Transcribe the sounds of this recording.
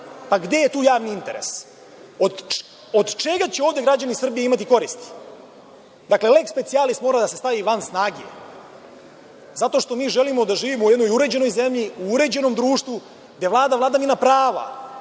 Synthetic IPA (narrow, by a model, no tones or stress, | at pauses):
paɡd̪e̞jet̪uːjaːʋniint̪e̞ɾḛs | od̪ | od̪t͡ʃeɡat͡ɕeoːvd̪e̞ɡɾad͡ʑanisr̩bijeimat̪iko̞ɾist̪i̥ | d̪akle̞lekspe̞t̪sialist̪mo̞ːɾad̪ase̞st̪aʋiʋansnaːɡie | zat̪o̞ʃt̪o̞miːʒelimo̞d̪aʒiːʋimo̞ujed̪no̞juɾe̞d͡ʑeno̞jze̞mʎiuuɾe̞d͡ʑe̞no̞md̪ɾuːʂt̪ʋu | ɡ̪evlˠaːd̪avlˠaːd̪aminapɾaːʋa̰